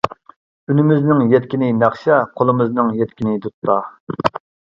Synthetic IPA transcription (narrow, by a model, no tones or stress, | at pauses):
ynɪmɪznɪŋjɛt̪̚kʲinɪnɑχʃɛqʰolˠɨmɨznɨŋjɛt̪kʲinɪd̪ut̪pɑ